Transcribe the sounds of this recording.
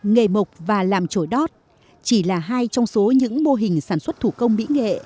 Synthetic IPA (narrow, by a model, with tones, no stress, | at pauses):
ŋḛ˧˨˩mʊ˨˩wk͡p̚vaː˨˩laː˨˩mt͡ɕo˧˩jɗɔ˦˥t̚ | t͡ɕi˧˩laː˨˩ɦaː˧jt͡ɕɔ˧wŋ͡mso˨˦ɲɨ̰˧˥ŋmo˧ɦï˨˩ŋ̟saː˧˩nswə˦˥t̚t̪ʰu˧˩kə˧wŋ͡mmḭ˧˥ŋḛ˧˨